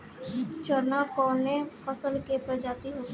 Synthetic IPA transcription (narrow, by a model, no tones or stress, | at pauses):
t͡ʃəɾnakɔːnẽfʰəsəlkepəd͡ʒaːt̪iɦo